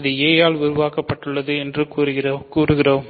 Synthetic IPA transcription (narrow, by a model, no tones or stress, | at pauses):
ðɯeːjaːlʊɾʊʋaːkɐpːɐʈːɯɭːɐðɯɛndrɯkːɾɯɪkuːrɯɣɪroːm